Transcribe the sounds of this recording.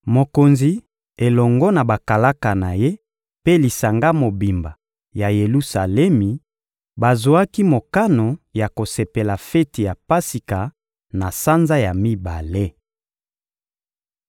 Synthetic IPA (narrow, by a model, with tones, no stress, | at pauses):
mo˨ko˨nzi˨ | e˨lɔ˨ŋɡɔ˦na˨ba˨ka˨la˦ka˨na˨je˦ | pe˦li˨sa˨ŋɡa˦mo˨bi˨mba˨ | ja˨je˨lu˦sa˨lɛ˦mi˨ | ba˨zo˨a˦ki˦mo˨ka˦no˨ja˨ko˨se˨pe˨la˨fɛ˦ti˨ja˨pa˦si˨ka˨ | na˨sa˦nza˦ja˨mi˦ba˨le˦